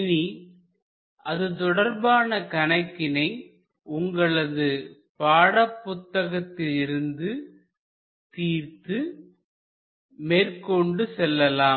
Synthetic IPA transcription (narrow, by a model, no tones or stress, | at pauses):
ni | ʔɐðɯt̪ɔɽɐɾbaːnɐkɐnɐɪkːɪnɐɪ | ʊŋɡɐɭɐðɯ | paːɽɐpːʊt̪ːɐɣɐt̪ːɪlɪɾɯnd̪ɯ | t̪iːrt̪ɯ | meːrkɔɳɖɯsɛlːɐlaː